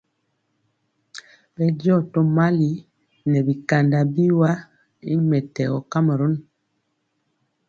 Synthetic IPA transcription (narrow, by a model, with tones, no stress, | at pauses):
bɛ˦djɔ˦˨to˦ma˦li˦ | nɛ˨bi˨ka˨nda˨bi˦wa˦ | i˦mɛ˨tɛ˨ɔ˨ka˦ma˨ɾo˦n